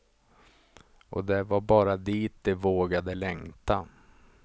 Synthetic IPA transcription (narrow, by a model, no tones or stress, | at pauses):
ʔɔ̰d̪ɛvaɾbɑːɾad̪iːt̪̚d̪ɛvoːɡad̪əlɛŋt̪a